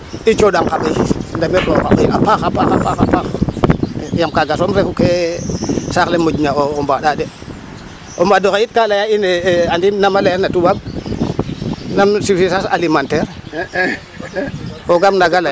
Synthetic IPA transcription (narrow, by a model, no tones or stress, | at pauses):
it͡ʃoɗaŋkaɓajndameboka̰ɓaapaxapaxapaxa̰pax | jamkaɡasomɾekuke | saxlemoɟɲaoombaɗade | ombadoxajit̚kalajaineandinamalajanatuɓab̚ | namsisisasa̰limanteɾ | oɡamnaɡala